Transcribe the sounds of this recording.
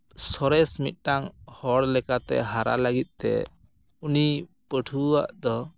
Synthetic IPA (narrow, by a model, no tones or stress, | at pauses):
sɔɾɛsmit̪̚ˀʈaŋhɔɽlɛkat̪ɛ̰ɦaɾa̰ləɡit̪̚t̪ɛ̰ | uni | pəʈʰua̰ʔd̪ɔ